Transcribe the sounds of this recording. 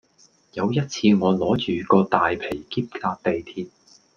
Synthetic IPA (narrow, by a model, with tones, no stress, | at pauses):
jɐ˨˧wjɐ˥t̚t͡sʰiː˧ŋɔː˨˧lɔː˨˥t͡ʃyː˨˩kɔː˧t̪aː˨jpʰe˨˩jkiː˥p̚kaː˧k̚t̪e˨jt̪ʰiː˧t̚